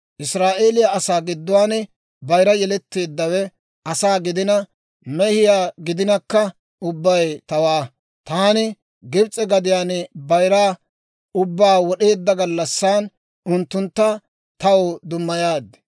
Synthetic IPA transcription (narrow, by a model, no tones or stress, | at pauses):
ʔɪsɾaːʔe̞ːlɪjɐɐsaːɡɪd̪ːʊwaːn | bɐjɾɐjɛlɛt̪ːe̞ːd̪ːɐwɛ | ɐsaːɡɪd̪ɪnɐ | mɛhɪjaːɡɪd̪ɪnɐkːɐ | ʊbːɐjt̪ɐwaː | t̪aːnɪ | ɡɪbt͡sʼɛɡɐd̪ɪjaːnbɐjɾaː | ʊbːaːwɔɗe̞ːd̪ːɐɡɐlːɐsːaːn | ʊnt̪ːʊnt̪ːɐ | t̪ɐwd̪ʊmːɐjaːd̪ː